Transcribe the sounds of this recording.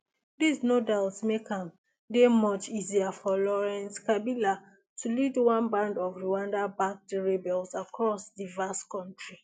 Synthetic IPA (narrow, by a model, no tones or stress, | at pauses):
disnodaltsmekʰãm | demɔt͡ʃiziafɔlɔɹɛ̃nskabila | tʰulidwãnbãndɔvɹuãndabak̚teɹibɛlsakʰɹɔsdivaskɔ̃ntɹi